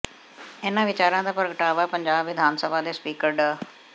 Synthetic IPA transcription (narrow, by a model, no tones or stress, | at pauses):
enãːʋɪt͡ʃaːɾãːd̪aːpəɾɡəʈaːʋaːpə̃ɲd͡ʒaːbed̪ʱaːnsəbad̪eːspiːkəɾɖaː